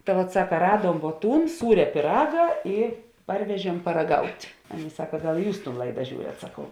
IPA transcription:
tɐ ʋɐt ˈsɑːkɐ ˈrɑːduɔm ʋuɔ ˈtuːn ˈsuːrʲɛ pʲiːˈrɑːɡɐ ˈɪ ˈpɐrʲʋʲɛʒʲiɛm pɐrɐˈɡɐʊtʲ ˈɑːˌnʲeːɪ ˈsɑːkɐ ˈɡɐlˠ ˈjuːs tuːn ˈlˠɐɪdɐ ˈʒʲuːrʲɛt sɐˈkɐʊ

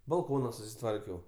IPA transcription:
bɐlˠˈkoːnɐ sʊsʲɪˈtʋɐrʲkʲɛʊ

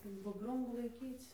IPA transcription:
ɪr bʊdˈrʊmuː lˠɐɪˈkʲiːt͡s

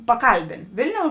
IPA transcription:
pɐˈkɐlʲbʲeːn ˈʋʲɪlʲˌnʲoːʊ

